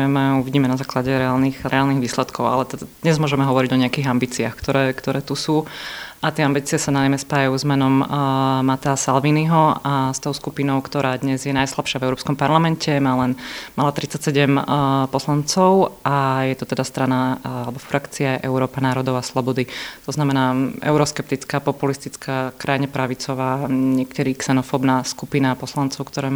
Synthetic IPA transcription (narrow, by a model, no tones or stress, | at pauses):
mɛuʋiɟiːmɛnazaːklaɟɛɾɛaːlnixɾɛaːlniɣʋiːslɛt̪kʰɔʊa̰lɛt̪ɛd̪ad̪̥ɲɛzmʊɔʒɛmɛɦɔʋɔɾiɟɔɲɛakiːɣambiːt͡siaxkt̪ɔɾɛːkt̪ɔɾɛːt̪usuːʔat̪ɪɛambiːt͡siɛsanamɛspaːjajuzmɛnɔmmat̪asalʋiniɦɔast̪ɔʊskupinɔʊkt̪ɔɾaːd̪ɲɛzjɛnajslapʃɪavɛʊɾɔːpskɔmpaɾlamɛncɛmaːlɛnmalat̪ɾit͡sːacsɛɟɛmpɔslant͡sɔʊajɛt̪ɔt̪ɛd̪ast̪ɾanaalɛbɔfɾakt͡siajɛʔɛʊɾɔːpanaːɾɔd̪ɔʊaslˠɔbɔd̪it̪ɔznamɛnaːʔɛ̰ʊɾɔskɛp̚t̪it͡skaːpɔpulist̪it͡skʰaːkɾʔajiɲɛpɾaʋit͡sɔʋaːɲɛkt̪ɛɾiksɛnɔfɔbnaskupinapɔslant͡sɔʊkt̪ɔɾɛː